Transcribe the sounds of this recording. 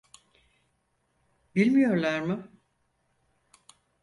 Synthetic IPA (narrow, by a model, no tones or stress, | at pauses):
bilʲmijo̞ɾlˠaɾmɪ